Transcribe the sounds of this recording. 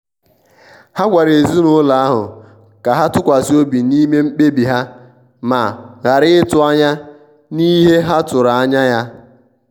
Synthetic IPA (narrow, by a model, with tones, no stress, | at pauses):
ha˦kʷa˨ɾe˨zu˦nʊ˦la˨a˦ɦʊ̰˨ | ka˨ɦa˦tʊ˦kʷa˨si˦o˦bi˨ni˦me˦m̩˦k͡pe˦bi˨ɦa˦ | ma̰˨ɣa˨ɾɪ˦ɪ˦tʊ˦a˦ɲa˦ | ni˦ɦe˦ɦa˦tʊ˨ɾa˨a˦ɲa˦ja˦